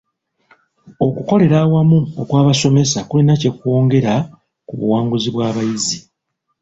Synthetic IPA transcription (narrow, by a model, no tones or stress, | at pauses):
o̞kuko̞le̞ɾaːwamuokwaːβaso̞me̞sakulinace̞kuo̞ːŋɡe̞ɾa | kuβṵwaːŋɡuziβwaːβajizi